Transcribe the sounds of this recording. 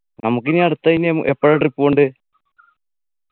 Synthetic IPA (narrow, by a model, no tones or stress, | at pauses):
nɐmukːiniɐɽut̪ːɐðinemuʔepːɐɻɐʈripːuoɳɖɨ